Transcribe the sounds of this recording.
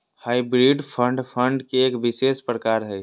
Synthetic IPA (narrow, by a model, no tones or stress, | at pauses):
haːibɾiɖpʰə̃ɳɖpʰə̃ɳɖkeːkbisespɾəkaːɾɦɛ